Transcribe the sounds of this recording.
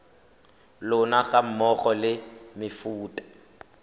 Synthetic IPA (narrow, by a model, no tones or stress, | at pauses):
lʊnaɣam̩mɔχɔlɪmɪfuːtʼḁ